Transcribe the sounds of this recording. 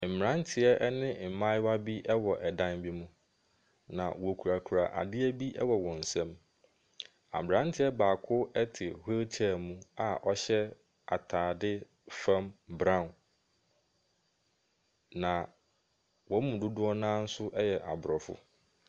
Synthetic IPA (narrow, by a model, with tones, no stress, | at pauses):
m̩˨m˨ɾã˦ntʰɪ˨ɛ˦ʔɛ˦nɪ̃˦˨m̩˨mã˦wa˦bi˦ʔɛ˦wɔ˨ʔɛ˨dã˦nbi˦mũ˦ | nã̰˨wɔ˨kʰu˨ɾa˨kʰu˨ɾa̰˨ʔa̰˨dɪ˦æ˦bi˦ʔɛ˦wɔ˨wɔ̃˨n̩˨sɛ̃˦m | a̰˨m˨ɾã˦n˦tʰɪ˦ɛ˦baː˨kʰʊ˦ɛ˦tʰɪ˨he˦t͡ɕʰa˦˨mũ˦a˨ʔɔ˦ɕɛ˦ | a̰˨tʰaː˨dɪ˦ | fã˦mbɾã˦˨ | nã˨ | wɔ˨˦mũ˨dʊ˦dʊ˦ɔ˦nãː˦n̩˦sʊ˦ʔɛ˦jɛ˨ʔa˨bɾɔ˨fʊ̰˦